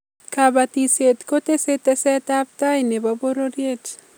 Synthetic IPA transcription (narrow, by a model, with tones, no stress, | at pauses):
ka˨ba˨ti˨sje˨t̪ko˦te˦se˦tɛ˦sɛ˦ta˦p̚ta˦ine˨ba˦bo˦ɾo˦ɾje˦t͡ʃ